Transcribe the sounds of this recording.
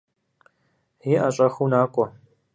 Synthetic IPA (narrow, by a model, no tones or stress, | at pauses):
hiːʔaɕʼɐxunaːkʷʼɔ